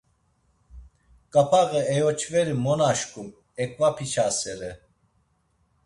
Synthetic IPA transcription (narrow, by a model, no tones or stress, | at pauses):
kʼapʰaɣɛɛjɔt͡ʃʰvɛɾimɔnaʃkʼum | ɛkʼvapʰit͡ʃʰasɛɾɛ